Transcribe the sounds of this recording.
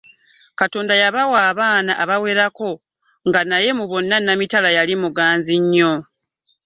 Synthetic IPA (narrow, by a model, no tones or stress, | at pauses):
kato̞ːndajaβawaːβaːnaʔaβawe̞ːɾako̞ | ŋɡanaje̞muβo̞nːanːamitalajalimuɡaːnziɲːo̞